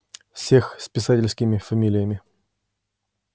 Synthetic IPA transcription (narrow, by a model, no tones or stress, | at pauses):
fsʲe̞xspʲɪsatʲɪlʲskʲɪmʲɪfɐmʲilʲɪjəmʲɪ